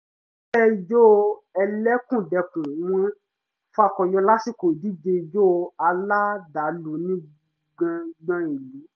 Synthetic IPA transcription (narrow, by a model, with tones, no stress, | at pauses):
ʃɛ˦i˧˨d͡ʒo˦˧ɛ˧lɛ˦kũ˦˨dɛ˧kũ˨w̃ɔ̃˧ | fa˧kɔ˨jɔ˧la˦si˦˨ko˨di˨˦d͡ʒe˧i˧˨d͡ʒo˦˧a˧la˦da˨˦lo˨˦nĩ˦ | ɡ͡bã˧ɡ͡bã˧e˨lu˨˦